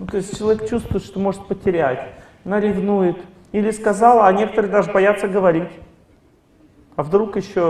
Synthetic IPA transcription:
nut̪o̞ɪsʲtʲt͡ɕɪlˠɐvʲekt͡ɕust̪vʊɪt̪ʂt̪o̞mo̞ʐɨt̪̚pətʲɪɾʲætʲ | nəɾʲɪvnujɪt̪ | ilʲɪskɐzɑlˠɐnʲe̞kət̪əɾɨd̪aʐɨbɐjat̪səɡəvɐɾʲitʲ | ɐvd̪ɾukjɪɕːo

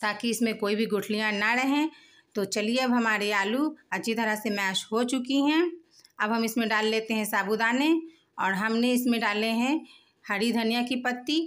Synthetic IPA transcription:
t̪aːkiɪsmẽkoːibʱiɡʊʈʰlijãnaɾɐɦẽ | t̪ot͡ʃɐlieɐbɦɐmaːɾiaːluɐt͡ʃʰit̪ʰɐɾasemɛːt͡ʃɦot͡ʃʊkiɦɛ̃ː | ɐbɦɐmɪsmẽɖaːlːeːt̪eɦɛ̃saːbud̪aːnẽ | ɔːɾɦɐmneɪsmẽɖaːleɦɛ̃ | hɐɾid̪ʱɐnijakipɐt̪ːi

